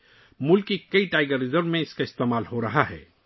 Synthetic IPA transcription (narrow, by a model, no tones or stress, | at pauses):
mʊlkːikɐiʈaːɪɡəɾɪzəɾmẽɪskaɪst̪eːmaːlɦoɾɐɦaɦɛ̰ː